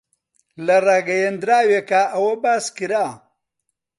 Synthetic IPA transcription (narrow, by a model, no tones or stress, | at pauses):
lɐraːɡɐjend̪ɾaːwekaʔɐwɐbaːskiɾaː